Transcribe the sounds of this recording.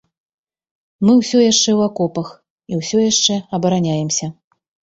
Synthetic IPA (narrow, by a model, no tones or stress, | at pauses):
mɨwsʲɔjaʂt͡ʂɛwakɔpɐx | iwsʲɔjaʂt͡ʂɛɐbɐɾanʲajɛmsʲɐ